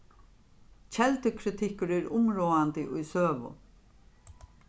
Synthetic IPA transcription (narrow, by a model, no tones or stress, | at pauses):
t͡ʃʰɛlt̪əkʰɾɪt̪ʰɪkʊɾɪɹʊmɹoːant̪ɪʔʊjsøːʋʊ̰